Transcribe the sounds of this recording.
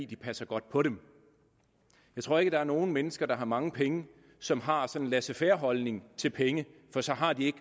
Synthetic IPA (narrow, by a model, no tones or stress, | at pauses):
ḭd̥ipʰæsɐɡ̥ɒ̽d̥pʰɒ̽ɾem | jɑ̈ɪt͡sʰʁo̝ɐe̝ɡəd̥ɑ̈æɐno̝ːn̩menəsɡ̥ɐd̥ɑ̈ɦɑ̈mɑ̈ŋəpʰeŋə | sɒ̽mɦɑ̈sɒ̽nnlæsəfeɐɦɒ̽lne̝ŋt͡sʰe̝lpʰeŋəfɒ̽sɒ̽ɦɑ̈d̥ie̝ɡ̥